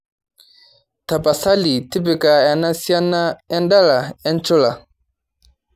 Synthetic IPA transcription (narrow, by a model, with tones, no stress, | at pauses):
tʰa˨pa˨sa˦li˨tʰi˦pi˨ka˨ɛ˨na˦si˦a˦na˦ɛ˦nda˦la˨ɛ˦nt͡ʃu˦la˨